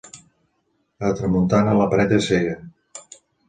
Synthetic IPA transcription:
ət̪ɾəmunt̪anələpɾɛt̪eseɣə

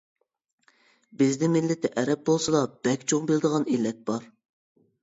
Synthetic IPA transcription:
bɪznɪmɪlːɪt̪ʰɪʔɛɾɛp̚bolˠsɨd̪ɑb̥ɛkʲt͡ʃʰoŋbɪld̪əʁɑnilːɛt̪̚b̥ɑɾ

